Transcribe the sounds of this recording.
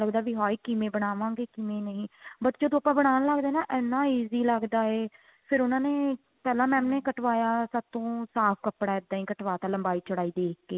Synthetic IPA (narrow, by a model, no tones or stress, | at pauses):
ləɡd̪aːʋiːɦaːiːkɪmẽːbəɽ̃aːʋãːŋɡeːkɪmẽːnəĩːbət̪ːt͡ʃoːd̪õːəpãːbəɽ̃aːnləɡd̪eːnãːʔɛːnːãːiːziːləɡd̪aːeː | pʰɪɾʊnãːneː | pɛːlãːmɛ̃ːmneːkəʈʋaːjaːsəb̚t̪õːsaːpʰkəpɽaːɛd̪aːĩːkəʈʋaːt̪ãːləmbaːiːt͡ʃəɽaːiːd̪eːkʰkeː